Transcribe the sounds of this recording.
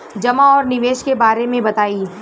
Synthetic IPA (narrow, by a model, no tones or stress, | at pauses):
d͡ʒɐmaɔːɾnɪʋeːʃkebaːɾemẽbɐt̪aːiː